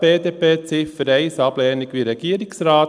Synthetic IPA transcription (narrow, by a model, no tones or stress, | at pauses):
b̥eːdeːpeːt͡sɪfəɾɛɪsɑblɛːnɪɡʋiɾɛɡ̥iːəɾɪksɾɑː